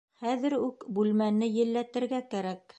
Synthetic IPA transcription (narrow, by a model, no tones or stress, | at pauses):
χæðɘ̆ɾʉkbʉlmænɘjɘ̆lːæt̪ɘ̆ɾɡækæɾæk